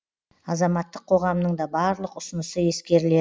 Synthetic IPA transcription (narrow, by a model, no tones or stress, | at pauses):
ɑzɑmɑt̪ːəqʰo̞ʁɑmnəɴd̪ɑbɑɾlˠəqʊsənəsəje̞skʲe̞ɾɪle